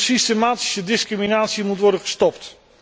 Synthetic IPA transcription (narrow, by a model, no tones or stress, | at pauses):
sistemaːti̥sədɪskriminaːtsimutʋɔɹdənχəstɔpt